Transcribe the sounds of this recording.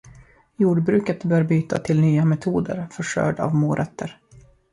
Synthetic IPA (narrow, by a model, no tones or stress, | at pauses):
juːɖbɾʉ̟ːkət̪bœːɾbyːt̪ʰa̰t̪ʰɪlnyːamɛt̪ʰuːd̪ə̰ɾfœʂœ̰ːɖa̰vmoːɾʔɛt̪ʰːəɾ